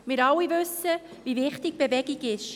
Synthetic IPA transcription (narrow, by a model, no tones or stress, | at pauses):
mɪɾɑwːivʉsə | ʋivɪχtiɡ̚b̥evɛɡiɡɪʃ